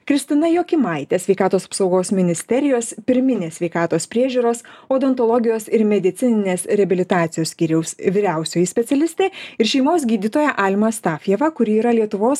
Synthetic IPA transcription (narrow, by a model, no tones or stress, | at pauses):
kɾʲɪst̪ʲɪnɐjoːkʲɪmɐɪt̪ʲɛsʲʋʲɛɪkɑːt̪oːsɐ̥psɒʊɡoːsmʲɪnʲɪsʲt̪ʲɛɾʲɪjoːspʲɪɾʲmʲɪnʲeːsʲʋʲɛɪkɑːt̪oːspʲɾʲiɛʒʲuːɾoːsoːd̪ɛnt̪ɔlˠɔɡʲɪjoːsɪɾmʲɛd̪ʲɪt̪ʲɪnʲɪnʲeːsɾʲɛbʲɪlʲɪt̪ɑːt̪sʲɪjoːsʲkʲiːɾʲɛʊsʋʲɪɾʲæˑʊsʲoːjɪsʲpʲɛt̪ʲɛlʲɪsʲt̪ʲeːɪɾʃʲɛɪmoːs̬ɡʲiːd̪ʲɪt̪oːjɛʔɑlʲmɐst̪ɑːfʲjɛʋɐkʊɾʲiːɾɐlʲiɛt̪ʊʋoːs